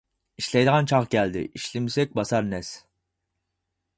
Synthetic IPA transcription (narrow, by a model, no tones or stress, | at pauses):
iʃlɛjd̪ɨʁɑnt͡ʃʰɑʁkʲɛld̪ɪ̰ʔiʃlɪmisɛk̚ʲbɑsɑɾnɛs